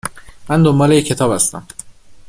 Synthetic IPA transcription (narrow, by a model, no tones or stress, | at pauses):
mænd̪ombɒːlejecʰːe̞t̪ʰɒːbhæst̪æ̰m